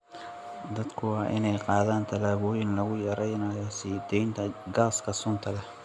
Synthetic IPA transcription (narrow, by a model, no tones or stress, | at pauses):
d̪ɐd̪kʰʊwɑːʔɪnɛjqɑːðaːnt̪ʰɐlaːβɔːjɪnlɐɣʊjɐɾɛjnɐjɔsiːd̪ɛjnt̪ʰɐɡaːskʰɐsʊnt̪ʰɐlɛ